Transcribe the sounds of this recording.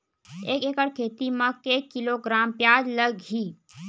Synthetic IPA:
eːkeːkəɽkʰeːt̪imãkeːkːɪloɡɾaːmpjaːd͡ʒləɡɦiː

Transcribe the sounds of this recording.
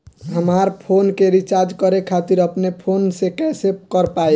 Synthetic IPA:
ɦəmaɾpʰonkeɾit͡ʃaɾd͡ʒkəɾekʰat̪iɾəpnepʰonsekɛsep̚kəɾpaj

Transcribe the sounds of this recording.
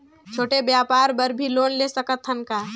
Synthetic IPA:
t͡ʃʰoːʈebjaːpaːɾbəɾbʱiloːnlesəkət̪ʰɦənkaː

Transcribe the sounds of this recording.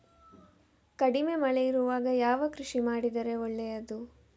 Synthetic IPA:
kɐɽime̞mɐɭɛjiɾuʋaːɡɐjaːʋɐkɾuʂimaːɽid̪ɐɾe̞ɔɭːɛjɐd̪u

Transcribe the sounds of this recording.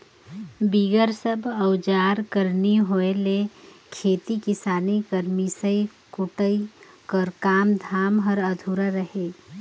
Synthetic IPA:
biːɡəɾsəbʱəwd͡ʒaːɾkəɾniɦoelekʰeːt̪ikɪsaːnikəɾmisəikʊʈəi | kəɾkaːmd̪ʱaːmɦəɾəd̪ʱuːɾaɾəɦeː

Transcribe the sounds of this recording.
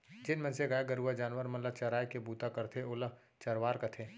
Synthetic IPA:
d͡ʒɪnmɛ̃nseɡajaɡɐɾuad͡ʒaːnwəɾmɐnlət͡ʃɐɾaːjkebuːt̪akɐɾt̪ʰeʊlə | t͡ʃɐɾʋaːɾkɐt̪ʰeː

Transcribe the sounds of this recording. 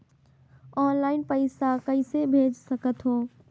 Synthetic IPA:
ɔːnlaːɪnpəɪsakəɪsebʱeːd͡ʒsəkət̪ɦoː

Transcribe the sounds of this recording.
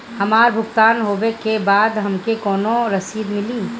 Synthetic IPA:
hɐmaːɾbʱʊkt̪aːnɦoːʋekebaːd̪ɦɐmkekɔːnõɾɐsiːd̪mɪlĩː

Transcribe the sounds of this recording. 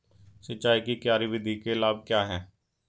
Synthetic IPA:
sətːʃaːikikjaːɾiʋɪd̪ʱikelaːb̚kjaːɦɛː

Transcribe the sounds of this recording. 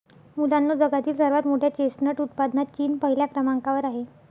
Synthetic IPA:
mulanːoːd͡zəɡat̪iːlsəɾʋat̪moʈʰjat͡ɕesnəʈut̪̚pad̪nat̪t͡ɕiːnpəɦiljakɾəmaŋkaʋəɾaɦe

